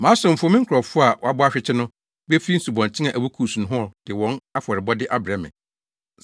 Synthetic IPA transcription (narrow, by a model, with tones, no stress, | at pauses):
mãː˨˦sʊ̃˨m̩˨fmɪ̃˦ŋ̩˦kʰɾɔ˨fʊ˦a˨wʔɔ˨a˦bʊ˦a˦ɕᶣɪ˦t͡ɕʰɪ˦nʊ̃˦ | be˦fi˦n̩˦su˨bɔ̃˨n˨t͡ɕʰɪ˦ã˨ʔæ˨bu˦kʰuː˨sũ˨n˨ɦʊ̃˦ɔ˨d̥ɪ˨wɔ̃˦na˦fɔ˨ɾɪ˨bɔ˦dɪ˦ʔa˦bɪ˨ɾɛ˨mɪ̰̃˨